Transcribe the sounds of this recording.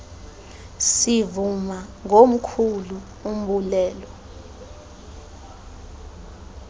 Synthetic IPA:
sivumaŋom̩kʰulu | um̩ɓulɛːlɔ

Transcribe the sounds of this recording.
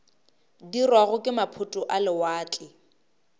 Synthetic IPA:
dirwaɣʊkʼɪmapʰʊtʼʊʔalɪwaːt͡ɬʼɪ

